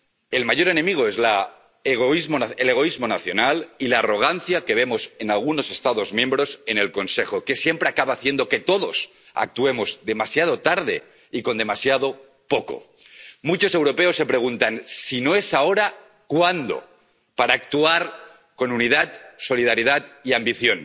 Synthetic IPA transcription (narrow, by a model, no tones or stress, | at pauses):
e̞lmaʝo̞ɾe̞nẽ̞miɣ̞oezla | eɣoizmoaele̞ɣ̞o̞izmo̞naθjo̞nalilaːro̞ɣ̞anθjake̞β̞e̞mo̞se̞nalɣ̞uno̞se̞st̪aðo̞zmjẽ̞mbɾo̞se̞ne̞lko̞nse̞xo̞ke̞sje̞mpɾe̞akaβaːθje̞nd̪o̞ke̞t̪o̞ðo̞s | a̰k̚t̪ue̞mo̞zd̪e̞masjað̞o̞t̪aɾð̞e̞̰ | iko̞nd̪e̞masjað̞o̞ | po̞ko̞̰ | mut͡ʃo̞se̞wɾo̞pe̞o̞sːe̞pɾe̞ɣ̞unt̪ansino̞e̞sao̞ɾa | kwand̪o̞̰ | paɾaːk̚t̪uaɾ | ko̞nunið̞at̪so̞liðaɾið̞at̪iambiθjo̞n